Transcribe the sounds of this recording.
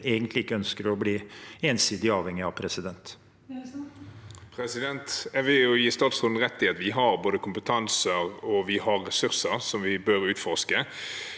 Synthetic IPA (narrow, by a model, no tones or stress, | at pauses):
eːɡənt̪lɪɪkːəœnskəɾɔbliːeːnsiːd̪ɪɑːʋhɛŋːɪɑʋpʰɾɛsɪd̪ɛnt̪ | pʰɾɛsɪd̪ɛnt̪æʋɪljʊjiːst̪ɑːt̪sʁʊnn̩ʁɛt̪ːɪeɑt̪ʋɪɦɑʁboːd̪əkʰʊmpət̪ʰɑnsəʁɔʋɪhɑʁːɛsʉʁsəʁsɔmʋɪbøɾʉːt̪fɔʁskə